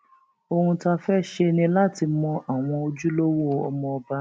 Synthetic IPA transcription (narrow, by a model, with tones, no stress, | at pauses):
o˧hũ˧ta˧fɛ˦ʃe˧nĩ˧la˦˨ti˧mɔ̃˧ʔa˨w̃ɔ̃˧o˧d͡ʒu˦lo˦wo˦o˧ɔ˧mɔ̃˧ɔ˧ba˦